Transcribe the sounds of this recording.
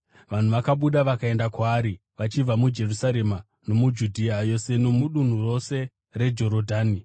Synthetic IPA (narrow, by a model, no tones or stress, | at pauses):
ʋan̤uʋakaɓuɗaʋakae̞ndakwaːɾi | ʋat͡ʃib͡vamud͡ʒe̞rusaɾe̞ma | no̞mud͡ʒudʱiajo̞se̞nomuɗun̤uro̞se̞ | re̞d͡ʒo̞ɾodʱaːni